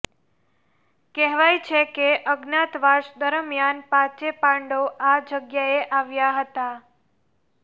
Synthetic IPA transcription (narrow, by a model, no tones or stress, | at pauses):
kɛɦʋajt͡ʃʰekeʔəɡnat̪ʋaʃd̪əɾəmjanpat͡ʃepãɳɖoʔad͡ʒəɡjaeʔaʋjaɦət̪a